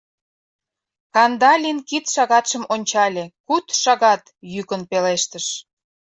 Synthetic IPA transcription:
kɑnd̪ɑlʲinkit̪ʃɑɣɑt̪ʃəmonʲt͡ɕɑlʲekut̪ʃɑɣɑt̪jykənpeleʃt̪əʃ

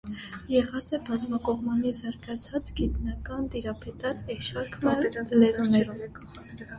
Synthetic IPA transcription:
jɛʁɑt͡sɛbɑzmɑkɔʁmɑnizɑɾɡɑt͡sʰɑt͡sɡit̪nɑkɑnt̪iɾɑpʰɛt̪ɑt͡sɛʃɑɾkʰmɑlɛzunɛɾum

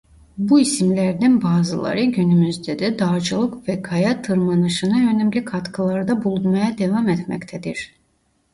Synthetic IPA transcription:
buisimlʲæɾd̪ænbaːzɯlˠa̰ɾɯɟynymyzd̪ɛd̪ɛd̪aːd͡ʒɯlˠɯkvɛkʰajat̪ʰːɯɾmanɯʃɯnɯø̞næmlʲikʰat̪kʰɯlˠaɾɯd̪abulˠunmajad̪evamɛt̪mɛ̰ct̪ʰɛd̪iɾ̥

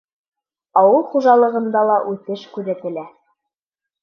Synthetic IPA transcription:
ɑwɤlˠχuʒɑlˠɤ̆ʁɤ̆nd̪ɑlˠɑʔʉθɘʃkʉɾæ̆t̪ɘ̆læ

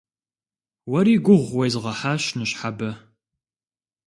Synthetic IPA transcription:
wɐɾiːɡʷʊʁʷwejzʁɐħaːɕnɨɕħabɐ

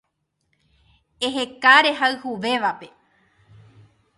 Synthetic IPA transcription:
e̞ɦekaɾe̞ɦaɨhuʋe̞ʋape̞

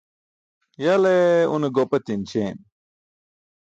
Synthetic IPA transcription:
jɐleṵneɡopɐt̪int͡ɕʰen

